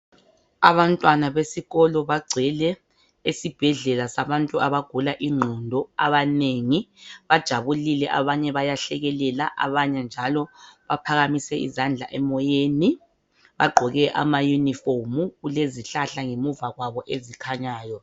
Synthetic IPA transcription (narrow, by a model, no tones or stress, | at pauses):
aβantʼwanaβesiɣɔlɔβaɡ͡ǀʱɛlɛ | esib̥ʱɛɮɛlasaβantʼuaβaɡ̥ʱulaʔiŋ͡ǃʱɔndʱɔa̰βaneŋiβad̥ʒ̥ʱaβulilɛʔaβaɲɛβajaɬɛɣɛlɛlaʔa̰βaɲɛnd͡ʒʱalɔβapʰaɣamisɛḭzand͡ɮʱa̰ʔɛmɔjeni | βa̰ɡ͡ǃʱɔɣɛʔa̰majuniformuɣuleziɬaɬaŋemuvaɣwaβɔʔezikʰaɲaːjɔ